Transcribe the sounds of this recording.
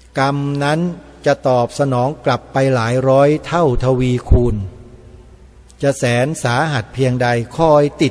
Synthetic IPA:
ka˧mna˦˥n | t͡ɕa˨˩t̪ɔː˨˩p̚sa˧nɔː˩˦ŋkla˨˩pːa˧jlaː˩˦jɾɔː˦˥jt̪ʰa˥˩wt̪ʰa˧wiː˧kʰuː˧n | t͡ɕa˨˩sɛː˩˦nsaː˩˦ɦa˨˩t̪̚pʰi˧əŋda˧jkʰɔ˥˩jt̪i˨˩

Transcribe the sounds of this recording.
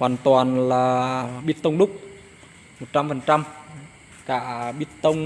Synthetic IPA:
hwaː˨˩nt̪waː˨˩nlaː˨˩ɓi˦˥ət̚t̪ə˧wŋ͡mɗʊ˦˥k͡p̚ | mo˨˩t̚t͡ɕa˧mfə˨˩nt͡ɕa˧m | kaː˧˩ɓi˦˥ət̚t̪ə˧wŋ͡m

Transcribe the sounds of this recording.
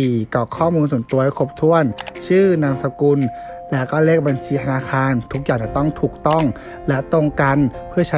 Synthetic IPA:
iː˨˧kɔː˧˩kʰɔː˥˩muː˧nsu˨˩ə˦nt̪u˧ɐkʰo˧˩p̚t̪ʰu˧˩ənt͡ɕʰɯː˥˩na˧msa˧ku˧n | lɛː˦˥kɔː˧˥˩leː˥˩k̚ba˧nt͡ɕʰiː˧t̪ʰa˧naː˧xʰaː˧nt̪ʰu˦˥k̚jaː˨˩ŋt͡ɕa˧˩t̪ɔ˥˩ŋt̪ʰuː˨˩k̚t̪ɔ˥˩ŋ | lɛ˦˥t̪o˧˨ŋka˧npʰɯ˥˩ɐt͡ɕʰa˦˥

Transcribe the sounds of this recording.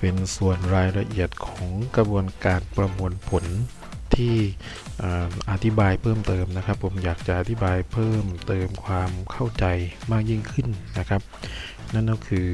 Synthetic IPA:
pe˧nsu˨˩ənɾaː˧jɾa˧ʔi˨˩ət̪̚kʰɔː˩˦ŋkɾa˧bu˧ənkaː˧npɾa˧mu˧ənpʰo˩˦n | t̪ʰiː˥˩ | ʔaː˨˩ʔa˧t̪ʰi˦˥baː˧jpʰɤː˥˩mt̪ɤː˧mna˦˥kʰa˦˥pʰːo˨˩˦mjaː˨˩k̚t͡ɕa˨˩ʔa˨˧t̪ʰi˦˥baː˧jpʰɤː˥˩mt̪ɤː˧mkʰwaː˧mkʰa˥˩wt͡ɕa˧jmaː˥˩k̚ji˥˩ŋkʰɯ˥˩nna˦˥kʰa˦˥p̚ | na˥˩nːɔ˥˩kʰɯː˧

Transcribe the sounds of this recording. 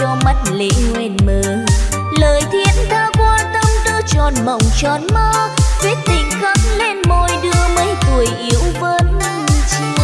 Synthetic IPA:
ɔ˧ma˦˥t̚lḛ˧˥ŋwɛ˧˩nməː˧˨˩n | ləː˨˩jt̪ʰi˧˥ənt̪ʰaː˧kwaː˧t̪ə˧ŋ͡mɗɨ˧ət͡ɕɔ˨˩nmə̰˧˨wŋ͡mt͡ɕɔ˨˩nmaː˧t̪wi˦˥ək̚t̪ï˨˩ŋ̟kə˧˥ŋle˧nmo˧jɗɨ˧əmə˨˦jt̪u˨˩əjʔi˨˦əwvəː˧˦n˧t͡ɕɨ˧

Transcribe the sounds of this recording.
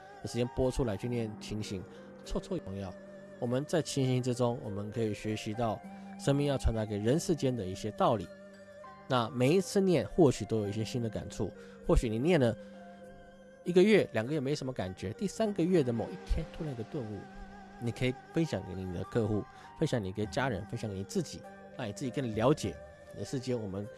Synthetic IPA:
d̪ə˨˩ʂɻ̩˧˥t͡ɕjɛ˥npwɔ˥ʈ͡ʂʰu˥la˧˥ɪt͡ɕʰy˥˧njɛ˥˩nt̪ʰi˧˥ŋɕi˧˥˦ŋ | t͡sʰwɔ˥˧t͡sʰwɔ˥˧˨pʰŋjo˥˩ʊ | wɔ˨˩mə˨˦nt͡sa˥˩ɪt͡ɕʰi˧˥ŋɕi˧˥ŋʈ͡ʂɻ̩˦ʈ͡ʂʊ˥ŋwɔ̰˨˩mə˦nkʰɤ˧˥i˨˩ɕɥɛ˧˥ɕi˧˥t̪ɑ˥˩ʊʂə˥ŋnmi˥˧ŋjɑ˥˩wa˧˥nd͡za˧˥ke˨˩ɪɻə˧˥nʂɻ̩˥˧t͡ɕjɛ˥nd̪ə˨i˥˩ɕjɛ˥t̪ɑ˥˩ʊlḭ˨˩˦ | na˥˩me˨˩ɪi˧˥t͡sʰɹ̩˥˧njɛ˥˨nxwɔ˥˩ɕy˨˩t̪o˥ʊjo˨˩ʊi˥˩ɕjɛ˥ɕi˥nd̪ə˨ka̰˨˩nʈ͡ʂʰṵ˥˩ | xwɔ˥˩ɕy˨˦ni˨˩njɛ˥˩nlə˩ | i˧˥ɡə˧ɥɛ˥˩ljɑ˨˩ŋɡə˧˦ɥɛ˥˩me˧˥ɪ˥˨˩ʂə˥m˧ə˧ka˨˩nt͡ɕɥɛ˧˥t̪i˥˩sa˥nɡə˨ɥɛ˥˩d̪ə˩mo˨˩ʊi˥˩t̪ʰjɛ˥nt̪ʰu˥la˧˥ni˧ɡə˧t̪wə˥˧nṵ˥˩ | ni˨˩kʰə˧˥i˨˩fə˦nɕjɑ˨˩ŋke˧˥ɪni˧ni˨˩d̪ə̰˦kʰɤ˥˧xu˥˩ | fə˦nɕjɑ˧˦ŋni˨˩ke˧˥˩ɪt͡ɕja˦˥ɻə̰˧˦nfə˥nɕjɑ˨˩ŋke˧˥ni˨˩t͡sɹ̩˥˩t͡ɕḭ˨˩˦ | na˥˩ni˨t͡sɹ̩˥˩t͡ɕi˨˩kʰə˥˩ni˨˩ljɑ˧˥ʊt͡ɕjɛ̰˨˩˦ | ḭ˨˩ə˨˩ʂɻ̩˥˩t͡ɕjɛ˥nwɔ˨˩mə˦n

